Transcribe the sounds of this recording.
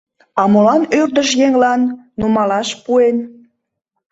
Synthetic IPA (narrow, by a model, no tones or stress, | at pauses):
ɑmolɑnørd̪əʃjeŋlɑnː | umɑlɑʃpuen